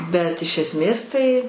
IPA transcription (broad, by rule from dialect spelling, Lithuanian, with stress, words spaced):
bʲɛt ɪʃ ˈæːsʲmʲeːs ˈtɐɪ